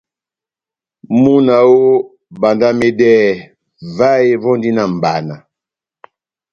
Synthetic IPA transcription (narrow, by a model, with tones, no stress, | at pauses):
mu˦na˨wo˦ | ba˨nda˦me˦dɛ˦˨ | va˦e˦vɔ˦n˦di˦na˦˨m̩˨ba̰˨na˨